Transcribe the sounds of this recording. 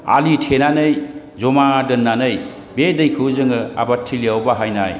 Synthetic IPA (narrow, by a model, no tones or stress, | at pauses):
a̰litʰenanɯj | zɔmadɯnːanɯj | bedɐjkʰɯwzɯŋɯa̰batʰːiliawbaɦajnaj